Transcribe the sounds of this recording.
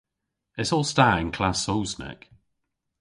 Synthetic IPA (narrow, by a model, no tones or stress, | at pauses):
ɪtsɔːlˠstaːɹɪ̃ŋkʰl̥asoʊsnɛ̰k